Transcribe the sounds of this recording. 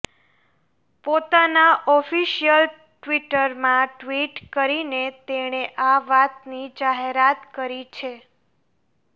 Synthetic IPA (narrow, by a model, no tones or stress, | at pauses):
pot̪anaʔɔfiʃijəl | ʈʋiʈəɾmãʈʋiʈkəɾinet̪eɽ̃eʔaʋat̪nid͡ʒaɦeɾat̪kəɾit͡ʃʰe